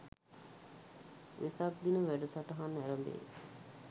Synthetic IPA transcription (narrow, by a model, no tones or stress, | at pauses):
ʋʔesak̚d̪inəʋæɖət̪aʈəɦanːæɾəmb̪ḛː